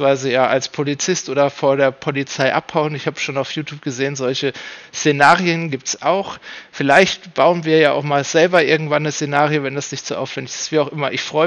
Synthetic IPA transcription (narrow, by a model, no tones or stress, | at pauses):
v̥aɪzəjaːʔalspʰolit͡sɪstʔoːdɐfoːɐdeːɐpʰolit͡saɪʔaphaʊənɪçhaːbə̥ʃoːnaʊfjuːtʰjuːp̚ɡ̥əzeːənzɔlçəst͡senaːʁiənɡiːp̚tsʔaʊxfɪlaɪçtb̥aʊənviːɐjaːʔa̰ʊxmaːlz̥ɛlbɐʔɪɐɡŋ̩tv̥anːəst͡senaːʁiovɛndasnɪçtz̥oʔa̰ʊfv̥ɛndɪçɪstv̥iːaʊxʔɪmɐʔɪçfʁ̥ɔʏ